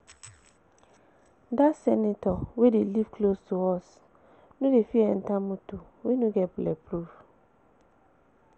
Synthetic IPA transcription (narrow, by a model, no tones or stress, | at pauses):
dasɛnɪtɔwedelivkʰlostʰuɔs | nũdefiɛn̩tãmũtu | wenũɡɛblɛ̰pʰɾuf